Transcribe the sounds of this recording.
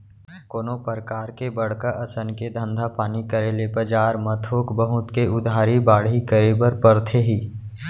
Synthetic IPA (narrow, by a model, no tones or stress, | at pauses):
koːnopəɾkaːɾkebəɽ̤kaʔɐsənked̪ʱə̃nd̪ʱapaːnikəɾeːlepəd͡ʒaːɾmət̪ʰoːkbəɦʊt̪keʊd̪ʱaːɾibaːɽ̤ɦikəɾebəɾpəɾt̪ʰeɦiː